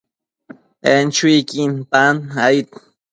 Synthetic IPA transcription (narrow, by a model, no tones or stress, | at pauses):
ent͡ʃujkinpanait̪